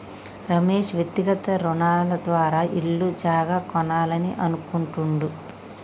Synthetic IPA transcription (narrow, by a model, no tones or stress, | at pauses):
ɾɐmeːʂʋjekt̪ːiɡɐt̪ɐɾunaːlɐd̪ʋaːɾaːʔiɭːud͡ʒaːɡaːkɔnaːlɐniʔɐnukuɳʈuɳɖu